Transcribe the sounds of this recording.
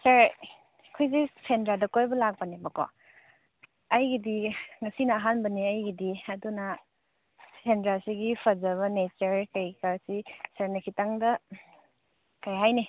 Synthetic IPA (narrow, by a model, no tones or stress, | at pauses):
sɐɾ | kʰojzipʰendɾadɐkojbɐlak̚banebɐkɔ̰ | ɐjɡidiŋɐsinɐːɦanbɐniɐjɡidiɐdunɐ | pʰendɾasiɡipʰɐzɐβɐnet͡ʃɐɾkajkasisɐɾnɐkʰitaŋdɐ | kajɦajni